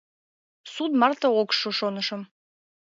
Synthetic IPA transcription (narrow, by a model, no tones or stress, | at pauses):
sud̪mɑrt̪əokʃoʃonəʃəm